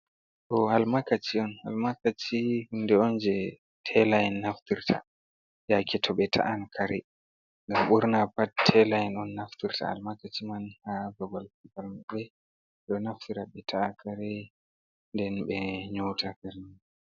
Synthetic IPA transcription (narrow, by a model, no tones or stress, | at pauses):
ʔɔhalmakat͡ʃiɔnha̰lmakat͡ʃihundɛɔnd͡ʒɛ | tʰɛlajɛnːaftiɾtʰa̰ | jakɛtʰɔɓɛtʰa̰ʔankʰaɾɛ | ŋɡamɓuɾnapattʰːɛlajɛnɔnːaftiɾta̰ha̰lmakat͡ʃimanhabɔɡalkipalmaɓɛ | ɗɔnaftiɾaɓɛtʰaakʰaɾɛ | ndɛnɓɛɲɔwtʰakaɾn